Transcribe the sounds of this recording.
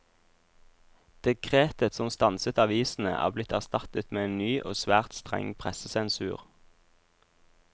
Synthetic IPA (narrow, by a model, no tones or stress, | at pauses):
d̪̥ɛkʰʁeːt̪ət̪sɔmst̪ɑnsət̪ɑʋiːsn̩ə̰ʔæ̰ːʁblɪt̪æʁst̪ɑt̪ət̪meːeːnnyːʔo̰ːsʋæːʁt̪st̪ʁɛ̰ŋpʰʁɛsəsɛnsʉ̰ːʁ